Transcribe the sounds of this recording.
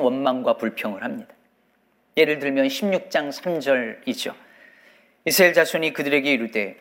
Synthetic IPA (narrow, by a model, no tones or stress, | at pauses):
wʌnmaŋɡwapuɭpʰjʌŋɯɭhamɲid̥a | je̞ɾɯɭtɯɭmjʌnɕʰimɲuk̚t͡ɕ͈aŋsʰamd͡ʑʌɾit͡ɕ͈o̰ | isʰɾaeɭd͡ʑasʰuɲikɯdɯɾe̞ɡe̞iɾut͈e̞